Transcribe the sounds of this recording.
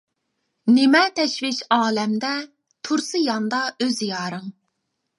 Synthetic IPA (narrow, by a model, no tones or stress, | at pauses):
nemɛt̪ʰɛʃvit͡ʃɑːlɛmd̪ɛ | t̪ʰuɾsɨjɑnd̪ɑøzjɑːɾɨŋ